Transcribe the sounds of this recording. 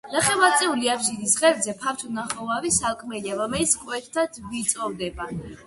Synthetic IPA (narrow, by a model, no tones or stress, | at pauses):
naχɛmat̪sʼɛuliabʃid̪isʁɛɾd̪zɛpʰaɾt̪ʰunaχɔvavisalˠkʼmɛliaɾɔmɛlit̪skʼwɛt̪ʰːad̪vit̪sʼɔvd̪ɛba